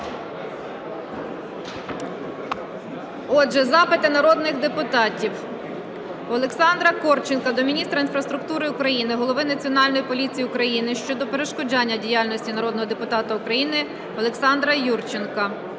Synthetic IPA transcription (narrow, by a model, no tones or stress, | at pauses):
ɔʒɛzɑpɪt̪ɪnɐɾɔd̪nɪxd̪epʊt̪ɑtʲiw | ɔlˠeksɑnd̪ɾɐkɔrt͡ʃɪnkɐd̪ɔmʲinʲist̪ɾɐinfɾɐst̪ɾʊk̚t̪uɾɪʊkɾɐjinɪɦɔlˠɔʋɪnɐt͡sʲiɔnɑlʲnɔjipɔlʲit͡sʲijiʊkɾɐjinɪʃt͡ʃɔd̪ɔpeɾeʃkɔd͡ʒɑnʲːɐdʲijalʲnɔsʲtʲinɐɾɔd̪nɔɦɔd̪epʊt̪ɑt̪ɐʊkɾɐjinɪ | ɔlˠeksɑnd̪ɾɐjurt͡ʃɪnkɐ